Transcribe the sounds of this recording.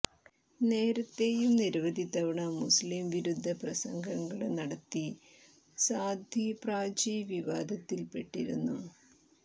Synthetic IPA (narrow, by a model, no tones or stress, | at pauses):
ne̞ːɾɐt̪ːejumniɾɐʋɐd̪ʱit̪ːɐʋɐɳɐmuslimʋiɾud̪ʱːɐprɐsɐŋɡʱɐŋɡɐɭenɐɽɐt̪ːi | saːd̪ʱjipraːd͡ʑijʋiʋaːd̪ʱɐt̪ːilpe̞ʈːiɾunːu